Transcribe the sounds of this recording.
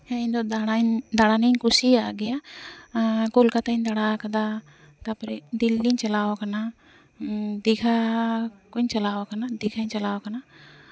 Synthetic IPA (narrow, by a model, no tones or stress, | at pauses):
hɛnd̪ɔd̪aɽaɲd̪aɽaniɲkʰusiaʔɡɛja | kulkat̪and̪aɽakad̪a | t̪apɾɛd̪ilːiɲt͡ʃalawakana | d̪ikʰa | kuɲt͡ʃalawakanad̪ikʰaɲt͡ʃalawakana